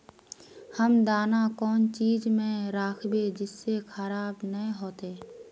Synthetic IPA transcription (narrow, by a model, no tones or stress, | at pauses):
həmd̪aːnakɔːnt͡ʃiːd͡ʒmẽɾaːkʰbed͡ʒɪsːekʰəɾaːbnəĩɦoːt̪eː